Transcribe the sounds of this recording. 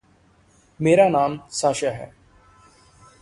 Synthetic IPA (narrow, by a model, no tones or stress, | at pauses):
meːɾaːnaːmsaːʃaːɦɛ̰ː